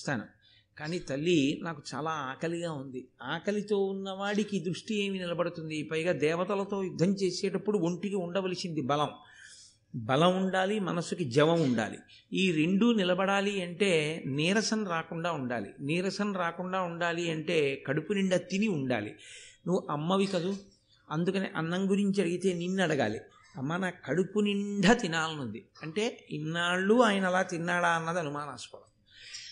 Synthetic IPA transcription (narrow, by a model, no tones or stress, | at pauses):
st̪aːnɐ̰m | kaːniːt̪ɐlːinaːkut͡ʃaːlaːaːkɐliɡaːund̪iaːkɐlit̪o̞ːunːɐʋaːɽikid̪ɾuʂʈie̞ːminilɐbɐɽut̪und̪ipɐjɡaːd̪ɛːʋɐt̪ɐlɐt̪o̞ːjud̪ʱːɐmt͡ʃe̞ːseːʈɐpːuɽuoɳʈikiuɳɖɐʋɐlisind̪ibɐlɐm | bɐlɐmuɳɖaːlimɐnɐsukid͡ʒɛʋɐmuɳɖa̰ːlḭ | iːɾe̞ɳɖunilɐbɐɽaːliɐɳʈe̞ːniːɾɐsɐnɾaːkuɳɖaːuɳɖa̰ːlḭniːɾɐsɐnɾaːkuɳɖaːuɳɖaːliɐɳʈe̞ːkɐɽupuniɳɖʱɐt̪iniuɳɖa̰ːlḭnuʋuʔɐmːɐʋikɐd̪u | ɐnd̪ukɐnḛːʔɐnːɐŋɡuɾiɲt͡ʃiɐɽiɡit̪e̞ːninːɐɽɐɡa̰ːlḭ | ɐmːanaːkɐɽupuniɳɖʱɐt̪inaːlɐnund̪iɐɳʈe̞ːinːaːɭːuaːjɐnɐɛlaːt̪inːaːɽaːɐnːɐd̪iɐnumaːnaːsu̥pɐtɐm